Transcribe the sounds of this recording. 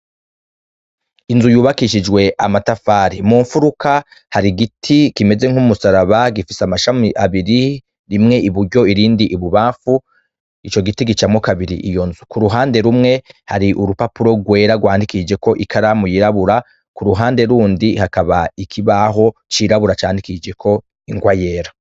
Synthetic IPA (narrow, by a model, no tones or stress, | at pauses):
inzujuːβakiʃ̬id͡ʒɡwe̞ʔamatafaːɾimuːɱfuɾuka | haɾiɡitʰikime̞ze̞ŋ̥humusaɾaβaɡifisamaʃamiʔaβiɾi | ɾimŋe̞ʔiβuɾɟo̞iɾiːndiʔiβuβaːɱfu | it͡ʃo̞ɡitiɡit͡ʃamŋo̞kaβiɾḭʔijo̞nzukuɾuɦaːnde̞ɾumŋe̞haɾiʔuɾupapuɾo̞ɡwe̞ːɾaɡwaːndikid͡ʒe̞ko̞ʔikʰaɾamujiɾaβuɾa | kuɾuɦaːnde̞ɾuːndihakaβaikʰiβaɦo̞t͡ʃiːɾaβuɾat͡ʃaːndikid͡ʒe̞kʰo̞ | iŋɡwaje̞ːɾa